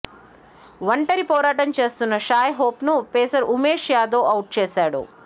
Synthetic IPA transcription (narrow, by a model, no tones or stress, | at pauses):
ʋɐɳʈɐɾipɔːɾaːʈɐmt͡ʃe̞ːst̪unːɐʃaːjɦoːpnupeːsɐɾumeːʂjaːd̪oːʔɐwʈ̚t͡ʃeːsaːɽṵ